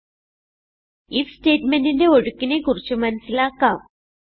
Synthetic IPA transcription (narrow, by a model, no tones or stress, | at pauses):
ifsʈeʈmeɳʈinɖeoɽkːinekuɾt͡ɕəmansilaka